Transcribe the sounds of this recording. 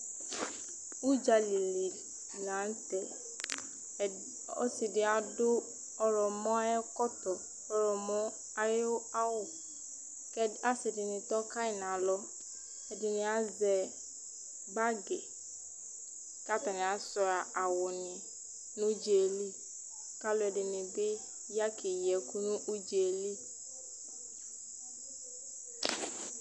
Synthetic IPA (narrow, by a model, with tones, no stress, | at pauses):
u˦d͡ʒa˨li˨li˨ | la˨˦n̩˦tɛ˨ | ɔ̰˦sɪ˨dɪ˨a˨dʊ˦ | ɔ˦ɾɔ˨mɔ˦a˦jɛ˦kɔ˦tɔ˨ | ɔ˦ɾɔ˨mɔ˦ | a˦ɾɪ˦a˦wʊ˦ | kɛ˦a˦sɪ˨dɪ˨nɪ˨tɔ˦ka˦ɪ˨na˨lɔ˦ | ɛ˨dɪ˨nɪ˨a˦zɛ˨ | ba˦ɡɪ˨ | ka˦ta˨nɪ̃˨a˨˦sɔ˨ɾa˨a˨wʊ˨nɪ˨ | nʊ̃˦d͡ʒe˨li˦˨ | ka˦lʊ˦ɛ˨dɪ˨nɪ˨bɪ˦ | ja˦kʰɪ˨jɛ˨ku˦nʊ̃˦ʔu˦d͡ʒe˨li˦